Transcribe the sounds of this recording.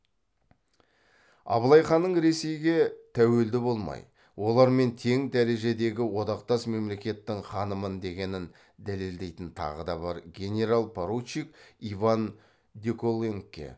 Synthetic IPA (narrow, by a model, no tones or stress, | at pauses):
ɑ̰βəlˠɑjχɑnːəɴɾe̞se̞jɡʲe̞t̪ʰæwe̞ld̪ɪbo̞lˠmɑ̰j | wo̞lˠɑɾme̞nt̪ʰe̞ŋd̪æɾe̞ʒe̞d̪e̞ɡʲɪwo̞d̪ɑqt̪ɑsme̞mle̞kʲe̞t̪ːɪŋχɑnəmənd̪e̞ɡʲe̞nɪn | d̪æle̞ld̪e̞jt̪ɪnt̪ʰɑ̰ʁəd̪ɑbɑɾɡʲe̞nʲe̞ɾalˠpʰaɾut͡ʃːik̚ivan | d̪ʲekolˠeŋkʲːḛ